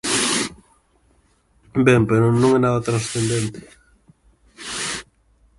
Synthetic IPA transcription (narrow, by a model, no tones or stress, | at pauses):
bempeɾonõŋɛnaðat̪ɾansθend̪ent̪ɪ̥